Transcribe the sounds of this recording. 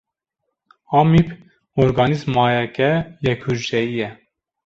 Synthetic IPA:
ɑːmip | ɔɾɡɑnizmɑːjɛkɛjɛkhuʒdɛjijɛ

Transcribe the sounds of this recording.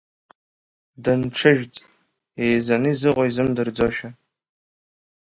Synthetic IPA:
dɐnʈ͡ʂʰɨʒᶣt͡sʼ | ejzɐnɨzɨʁʷoizɨmdɨrd͡zoʃɐ

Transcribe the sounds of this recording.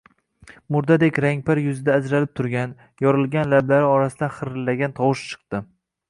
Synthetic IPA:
mʊɾd̪ad̪ekʲɾaŋʲpaɾjʊzɪd̪aːd͡ʒɾalɪp̚t̪ʰʊɾɡʲan | jɒɾɪlˠɡʲanlablaɾɪɒɾasɪd̪anχɨɾɪlːaɡʲant̪ʰɒwɨʃt͡ʃʰɨ̥qt̪ɪ

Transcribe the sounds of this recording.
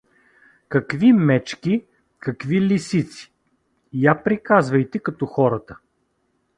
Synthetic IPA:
kɐkvimɛt͡ʃkʲi | kɐkvilʲisit̪si̥ | japɾikazvɐjt̪ɛkɐt̪ɔxɔɾət̪ə̥

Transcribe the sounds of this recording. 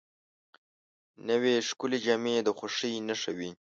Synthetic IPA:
nəweʂkʊled͡ʒamed̪əxʷaʂinəʂawi

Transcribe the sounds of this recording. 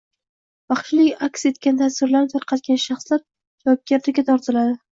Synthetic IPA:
b̥ɑχʃɪlɪkʲakʲse̞t̪̚kʲant̪ʰasɪɾlaɾnɪt̪ʰaɾqʰɑt̪̚kʲanʃɑχslaɾ | d͡ʒɒb̚ɡʲaɾt̪ɪɡʲat̪ʰɒɾt̪ʰɪlad̪ɪ

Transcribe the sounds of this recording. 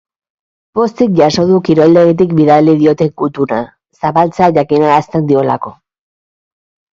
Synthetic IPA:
po̞st̪ik̚ʝaso̞ðukiɾo̞jld̪e̞ɣit̪̬ikbiðaliðio̞t̪e̞kut̪una | saβalt͡seaʝakinaːst̪e̞nd̪io̞lako̞

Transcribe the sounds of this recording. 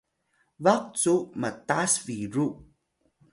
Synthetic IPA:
vaq̚t͡suʔmətasviɹuʔ

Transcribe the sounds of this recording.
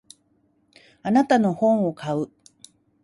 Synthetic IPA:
anat̪ano̞hõ̞ɴ̃okʰaɯ

